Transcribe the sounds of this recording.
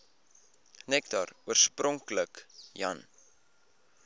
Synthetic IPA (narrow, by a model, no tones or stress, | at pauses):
nɛktɐruərsprɔŋkləkjɐ̰n